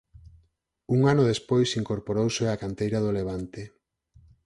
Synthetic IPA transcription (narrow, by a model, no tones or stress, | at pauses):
uŋanʊðespojsiŋkoɾpoɾowseakant̪ejɾaðʊleβ̞ant̪e